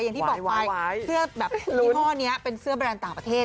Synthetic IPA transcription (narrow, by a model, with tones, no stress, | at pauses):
ja˨˩ŋt̪i˨˩bɔː˨ka˧jsɯ˥˩ɐbɛː˨˩pːmʰɔː˥˩ni˦˥ɐpe˧nsɯ˦˥ɐba˧ɾɛː˧nt̪aː˨˩ŋpɾa˧t̪ʰeː˥˩